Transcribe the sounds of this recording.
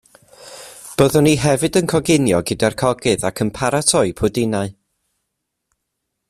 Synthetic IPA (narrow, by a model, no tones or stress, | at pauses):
b̥oːðɔniɦɛvɨdənkʰɔɡɪnjɔɡɪdarkʰɔɡɨðakʰəmpʰaɾatʰɔɨpʰʊdɪnaɨ